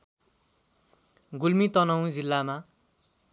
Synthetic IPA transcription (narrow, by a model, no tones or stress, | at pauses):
ɡulmit̪ʌnʌw̃d͡zilːama